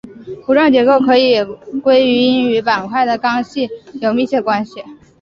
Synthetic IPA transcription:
pu˧˥lwə˥˩nt͡ɕjɛ˧˥ko˥˩ʊkʰɤ˧˥i˨˩kwe˥ɪy˧˥i˥ny˧˥pa˨˩nkʰwa˥˩ɪd̪ə˩kɑ˥ŋɕi˥˩jo˨˩ʊmi˥˩t͡ɕʰjɛ˥˩əkwa˥nɕi˨˩

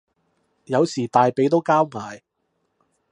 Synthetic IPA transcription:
jɐ˨˧wsiː˨˩t̪aː˨jpe˨˧jt̪o˥wkaː˥wŋaː˨˧j

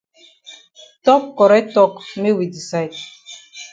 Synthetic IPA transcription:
tɔ˦kːɔ˨ɾɛ˦tɔ˦˨kme˦wi˨di˨sa˦ɪ˨d

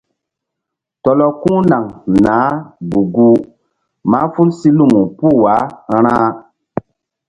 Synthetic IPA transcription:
tɔ˨lɔ˦kũ˦na˨ŋnaː˨˦bu˨ɡu˦ | ma˦fu˦lsi˦lu˦mu˨pu˦˨wa˨˦ɾã˦

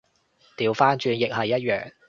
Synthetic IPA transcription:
t̪iː˨˧wfaː˥nt͡ʃyː˧njɪ˨k̚hɐ˨˩jːɐ˥t̚jœː˨ŋ

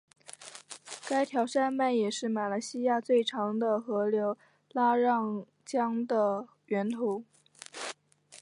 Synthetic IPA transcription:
ka˥ɪt̪ʰjɑ˧˥ʊʂa˥˧nma˥˩njɛ˨˩ʂɻ̩˥˩ma˨˩la˧˥ɪɕi˥ja˥˧t͡swe˥˩ɪʈ͡ʂʰɑ˧˥ŋd̪ə˧xɤ˧˥ljo˧˥ʊ | la˥ɻɑ˥˧ŋ | t͡ɕjɑ˥ŋd̪ə˨ | ɥɛ˧˥nt̪ʰu˧˥˦

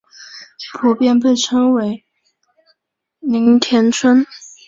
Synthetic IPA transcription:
pʰu˨˥pjɛ˥˧np̬e˥˩ɪʈ͡ʂʰɤ˥ŋwe˧˥ɪ | ni˧˥ŋt̪ʰjɛ˧˥nt͡sʰwə˥n

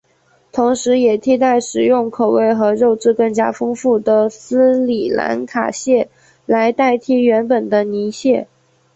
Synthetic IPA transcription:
t̪ʰʊ˧˥ŋʂɻ̩˧˥jɛ˨˩t̪ʰi˥˧t̪̬a˥˩ɪʂɻ̩˨˩jʊ˥˩ŋkʰo˨˩ʊwe˥˩ɪxɤ˧˥ɻo˥˧ʊʈ͡ʂɻ̩˥˧kɤ˥˩ŋt͡ɕja˥fɤ˥ŋfu˥˩d̪ə˩sɹ̩˥li˨˩la̰˧˥nkʰa̰˨˩ɕjɛ˥˩ | la˧˥ɪt̪a˥˩ɪt̪ʰi˥ɥɛ˧˥npə˨˩nd̪ə˦ni˧˥ɕjɛ˥˩

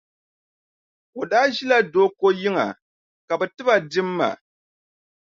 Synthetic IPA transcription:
o˨daː˦ʒi˦la˦doː˦ko˦jɪ˦ŋa̰˨ | ka˨bɛ˨tɨ˦ba˨dɪ˦mː˦a̰˨

